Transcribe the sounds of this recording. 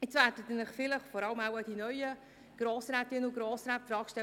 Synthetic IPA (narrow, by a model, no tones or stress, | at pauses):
ɪt͡svæːrdət̪ənɪχfɪləχfɔɾɑləmawadinœʏə | ɡ̥ɾoːsɾæːt̪ɪnəʊɡɾoːsɾæːtfɾɑːkʃtɛ